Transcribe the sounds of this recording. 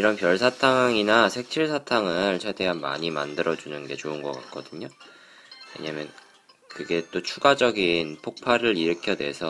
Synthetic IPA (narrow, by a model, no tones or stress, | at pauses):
iɾʌnpjʌɭsʰatʰaŋinasʰe̞k̚t͡ɕʰiɭsʰatʰaŋɯɭt͡ɕʰede̞ɦanma̰ɲima̰ndɯɾʌd͡ʑunɯnɡe̞t͡ɕoɯnɡʌk͈at̚k͈ʌdɯɲo | we̞̰ɲamjʌn | kɯɡe̞t͈ot͡ɕʰuɡad͡ʑʌɡinpʰok̚pʰaɾɯɾiɾɯkʰjʌdwe̞̰sʰʌ